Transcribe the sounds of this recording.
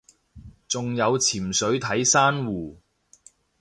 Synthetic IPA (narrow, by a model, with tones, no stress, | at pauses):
t͡sʊ˨ŋjɐ˨˧wt͡sʰiː˨˩msɵ˨˥ɥt̪ʰɐ˨˥jsaː˥nwuː˨˩